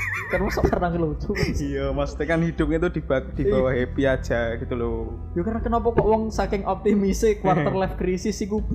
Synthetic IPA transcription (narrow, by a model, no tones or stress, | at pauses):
kanwɔŋsɔʔkarnaŋkəlo̥ʒ̥ujəmast̪ikanhid̪̥ʊp̚ŋet̪ud̪̥ibad̪̥ib̥awaɦepiad̥ʒ̥a̤ɡ̥it̪ulo̥ | ukarnakənɔpɔkɔʔwɔŋsakɪŋʔɔp̚t̪imisɪkwart̪ərlɛfɡɾisɪsik̬ub̥i